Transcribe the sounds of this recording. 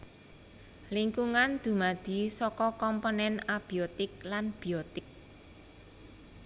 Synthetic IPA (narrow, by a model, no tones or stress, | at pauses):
liŋkuŋand̪̥ṳmad̪̥i̤sɔkɔkɔmponɛnab̥iot̪ɪk̚lanb̥iot̪ɪk̚